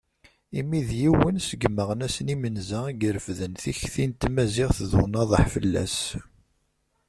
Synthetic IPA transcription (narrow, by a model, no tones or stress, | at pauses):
imiðjiwənsəɡməʁənæsənimənzæɡəɾəfðənθiçθint̪mæzɪʁθðunɑðˤəħfəlːæ̰s